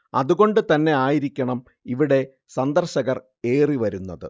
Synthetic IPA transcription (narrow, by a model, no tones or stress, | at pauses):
ɐ̰ðuɣo̞ɳɖɨt̪ɐnːe̞aːjiɾikʲːɐɳɐm | iʋiɽe̞ | sɐnd̪ɐrɕɐɣɐr | e̞ːriʋɐɾunːɐðɨ̰